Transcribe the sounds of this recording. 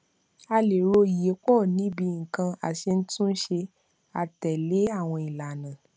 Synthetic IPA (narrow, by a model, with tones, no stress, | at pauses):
a˧le˨ɾo˧˦i˨je˨˦kɔ˦˨nĩ˨˦bi˧˨ŋ̩˨kã˧a̰˨ʃe˧n̩˦tũ˦ʃe˧ | a˨tɛ˨le˨˦a˦˨w̃ɔ̃˧i˨la˨nã˨